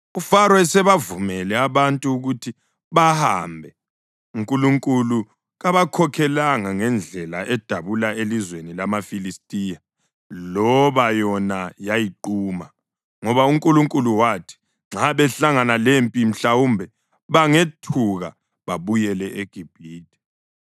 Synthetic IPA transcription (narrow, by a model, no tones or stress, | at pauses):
ufaɾɔɛsɛβavumɛlɛaβantʼuːɣutʰi | βaha̰mbʱɛ | uŋkʼuluŋkʼulu | ɣaβakʰɔkʰɛlaŋaŋɛnd͡ɮʱɛla̰ʔɛd̥ʱaβulaelizwenilamafilistʼija | lɔβajɔnajajiǃuːma | ŋɔβauŋkʼuluŋkʼuluwaːtʰi̥ | ŋ͡ǁʱaβɛɬaŋanalempʼim̩ɬawuːmbʱɛ | βaŋetʰuɣa̰ | βaβujɛlɛʔeɡ̥ʱib̥ʱiːd̥ʱɛ̥